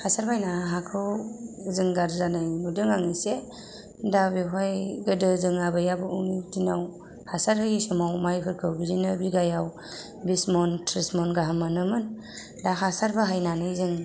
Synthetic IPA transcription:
hasaɾbajnaɦakʰɯwzɯŋɡaɾzanɯjnudɯŋaŋise | dabiɦɔjɡɯdɯzɯŋabɯjabɯuŋitinaw | hasaɾhɯjisɯmawmajpʰɯɾkʰɯwbizinɯbiɡajaw | bismɔntʰɾismɔnɡaɦamɯnɯmɯn | daɦasaɾbaɦajnanɯjzɯŋ

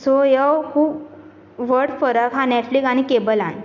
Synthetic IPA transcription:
sojəwkʰuːb | ʋəɾɽfəɾəkɦãneʈfliɡañikebəlãn

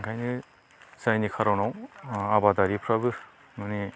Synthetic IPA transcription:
ŋkʰajnɯ | sajnikʰaɾawnawabadaɾipʰɾabɯ | mɯni

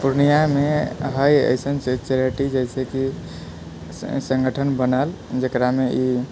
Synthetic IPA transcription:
puɾnijameɦəjə̰ɪsənt͡ʃeɾəʈid͡ʒəɪseki | sə̃ŋɡʱəʈʰənbənəl | d͡ʒekɾamei

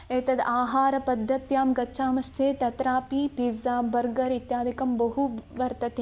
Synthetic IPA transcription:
eːt̪ɐd̪aːɦaːɾɐpɐd̪ʱːɐt̪jaːmɡɐːʃʰaːmɐʃt͡ʃeːt̪ɐt̪ɾaːpiːpizaːbɐɾɡɐɾit̪jaːd̪ʱikɐmbɐɦuʋɐɾt̪ɐt̪e

